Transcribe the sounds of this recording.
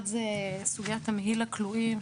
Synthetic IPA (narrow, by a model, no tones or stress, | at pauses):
dzesuɡijatameɦilakluim